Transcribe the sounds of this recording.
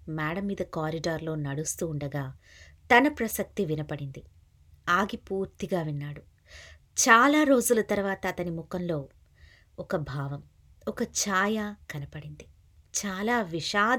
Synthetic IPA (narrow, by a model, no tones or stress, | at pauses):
maːɽɐmːiːd̪ɐkaːɾiɖaːɾlo̞ːnɐɽust̪uːɳɖɐɡaːt̪ɐnɐpɾɐsɐk̚t̪iʋinɐpɐɽind̪i | aːɡipuːɾt̪iɡaːʋinːaːɽu | t͡ʃaːlaːɾo̞ːd͡ʒulɐt̪ɐɾʋaːt̪ɐːt̪ɐnimukɐnlo̞ː | ɔkɐbʱaːʋɐm | ɔkɐt͡ʃaːjaːkɐnɐpɐɽind̪i | t͡ʃaːlaːʋiʂaːd̪